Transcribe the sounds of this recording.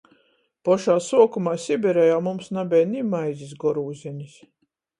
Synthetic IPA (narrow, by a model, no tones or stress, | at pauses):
pɔʃaːsuɔkumaːsʲibʲɛɾɛjaːmumsnabʲɛjnʲimajzʲis̬ɡɔɾuːzʲɛnʲis